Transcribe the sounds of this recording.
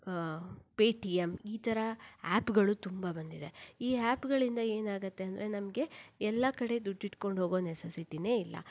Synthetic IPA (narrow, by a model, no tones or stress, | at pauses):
peːʈiemiːt̪ʰɐɾɐaːpɡɐɭut̪umbabɐnd̪id̪e̞iːaːpɡɐɭind̪ɐe̞ːnaːɡɐt̪ːe̞ɐnd̪ɐɾe̞nɐmɐɡe̞ɛlːɐkɐɽe̞d̪uɖːiʈko̞ɳɖɦo̞ːɡo̞ːnesɐsiʈine̞ːilːɐ̰